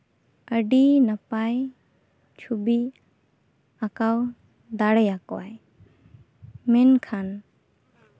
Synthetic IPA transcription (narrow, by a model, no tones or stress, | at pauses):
əɖinapaj | t͡ʃʰubi | akaw | d̪aɽəjakoa̰j | mɛnkʰan